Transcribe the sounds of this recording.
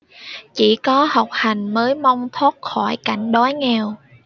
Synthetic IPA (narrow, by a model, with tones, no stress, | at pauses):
t͡ɕi˧˩kɔ˨˦ha˨˩wk͡p̚ha˨˩jŋ̟məː˨˦jma˧wŋ͡mt̪ʰo˦˥t̚xɔ˧˩jka˧˩jŋ̟ɗɔ˨˦jŋɛ˧˩w